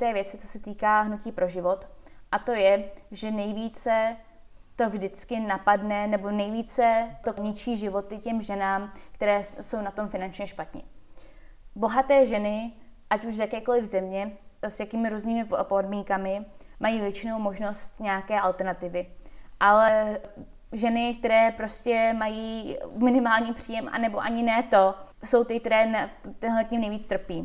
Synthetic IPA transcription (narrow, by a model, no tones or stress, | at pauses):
t̪ɛːvjɛt͡sɪt͡so̥sɛt̪iːkaːɦnuciːpɾʔo̞ʒɪvo̞t̪ʔat̪o̞jɛʒɛnɛjviːt͡sɛ | t̪o̞vʒdɪt͡skɪnapadnɛnɛbo̞nɛjviːt͡sɛt̪oɲɪt͡ʃiːʒɪvo̞t̪ɪcɛmʒɛnaːmkt̪ɛɾɛːso̞wnat̪o̞mfɪnant͡ʃɲɛʃpat̪ɲɪ̰ | bo̞ɦat̪ɛːʒɛnɪʔacuʃzjakɛːkolɪvzɛmɲɛsjakiːmɪɾuːzniːmɪpo̞dmiːŋkamɪmajiːvjɛt͡ʃɪno̞wmo̞ʒno̞st̪ɲɛakɛːʔalt̪ɛɾnat̪ɪvɪʔalɛ | ʒɛnɪk̚t̪ɛɾɛːpɾo̞scɛmajiːmɪnɪmaːlɲiːpr̝̥iːjɛmʔa̰nɛbo̞ʔaɲɪnɛːt̪o̞ | so̞wt̪ɪkt̪ɛɾɛːnɛt̪ɛnɦlɛciːmnɛjviːt͡st̪r̩piː